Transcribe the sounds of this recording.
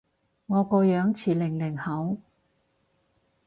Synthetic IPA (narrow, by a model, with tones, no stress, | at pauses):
ŋɔː˨˧kɔː˧jœː˨˥ŋt͡sʰiː˨˩lɪ˨˩ŋlɪ˨˩ŋhɐ˨˥w